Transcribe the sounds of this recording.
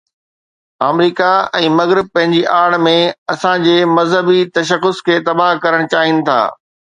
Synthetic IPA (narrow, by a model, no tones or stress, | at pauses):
aːmɾiːkaɛ̃ːmɐɣɾɪb̚pɐ̃ɦɪ̃ɲd͡ʑiʔaːɽmẽɐsãd͡ʑeːmɐzɦəbit̪ɐʃəxʊskʰeːt̪ɐbaːɦkɐɾəɽ̃t͡ɕaːɦijnɪ̆t̪ʰa̰ː